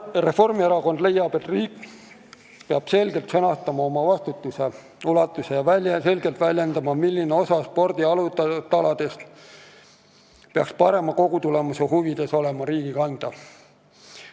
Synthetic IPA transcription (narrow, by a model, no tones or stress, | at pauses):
re̞fo̞rmieɾɑko̞nd̪̥lejːɑb̥e̞t̪riːkː | peɑb̥se̞lɡe̞lt̪senɑst̪ɑmɑo̞mɑvɑst̪ut̪ːˑuse̞ | ulɑt̪ːˑuse̞jɑse̞lɡ̥e̞lt̪vælʲjend̪ɑmɑmilːineo̞sɑspo̞rd̪̥iɑlut̪ːˑɑt̪ːɑlɑd̪̥e̞st̪ | peɑkspɑɾe̞mɑko̞ɡ̥ut̪ule̞mɑsehuvid̪̥e̞so̞le̞mɑɾiːɡ̥ikɑnd̪̥ɑ